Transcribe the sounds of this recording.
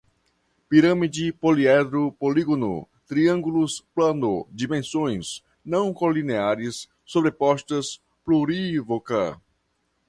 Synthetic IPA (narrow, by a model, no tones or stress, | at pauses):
piɾɐmid͡ʒipoliɛd̪ɾupoliɡonṵ | t̪ɾiɐ̃ŋɡuluspland̪odimẽnsõj̃s | nɐ̃w̃kolineaɾisː | obɾepɔʃt̪ɐs | pluɾivoka̰